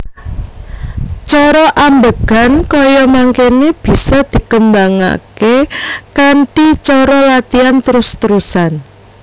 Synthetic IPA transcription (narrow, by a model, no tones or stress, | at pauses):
t͡ʃɔɾɔʔambəɡ̥a̤nkɔjɔmaŋkeneb̥i̤sɔd̪̥i̤kəmbaŋa̰kekaɳʈit͡ʃɔɾɔlat̪iant̪əɾʊst̪əɾusan